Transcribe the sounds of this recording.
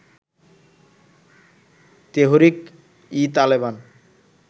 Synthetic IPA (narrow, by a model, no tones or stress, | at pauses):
t̪eɦoɾik | it̪aleβan